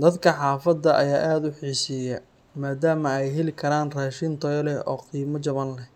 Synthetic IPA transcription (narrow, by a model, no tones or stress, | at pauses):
d̪ɐd̪kʰɐħɑːfɐd̪ːɐʔɐ̰jaːʔaːd̪ʊħiːʃiːjɛ | maːd̪aːmɐɛjɦɛlɪkʰɐɾaːnraːʃint̪ʰɔjlɛɔːqiːmɐt͡ʃɐβɐnlɛ